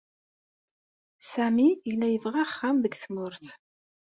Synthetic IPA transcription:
sæmiilːæjəvʁaχːamðəɡθmʊɾθ

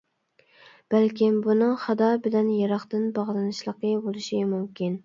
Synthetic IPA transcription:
b̥ælkʲimbunɨŋχɑd̪ɑbɪlɛnjɑɾɑχt̪ɨnbɑʁlˠɨnɨʃlˠəqəbolˠɨʃimumkʲin

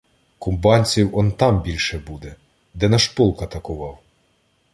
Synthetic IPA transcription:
kʊmbɑnʲt͡sʲiwɔnt̪ɑmbʲilʲʃɛbud̪ɛ | d̪ɛnɐʃpɔlˠkɐt̪ɐkʊʋɑw

